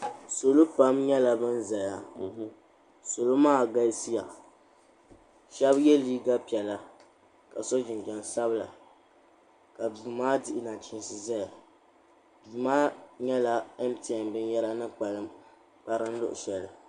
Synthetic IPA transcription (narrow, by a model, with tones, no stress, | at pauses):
so˨lo˦pa˦mɲɛ˦la˨bɨ˦nza˨ja˦ | so˨lo˦maː˦˨ɡa˦si˦ja̰˨ | ʃɛ˦bjɛ˦liː˦ɡa˦pi˨ɛ˨la˦ | ka˨so˦d͡ʒɪ˨nd͡ʒɛ˨nsa˦bɨ˦la̰˨ | ka˨du˨maː˦dɪ˦˨ʔɪ˦na˨t͡ʃi˦n˦sɨ˨za˦ja˨ | dmaː˦ɲɛ˦la˦ɛ˦mti˨a˨mbɨ˦njɛ˦la˦nɨ˦k͡pa˨lɨ˦m | k͡pa˦ɾɨ˦n˦lʊ̰˦ʔʊ̰˨ʃɛ˨lɨ˨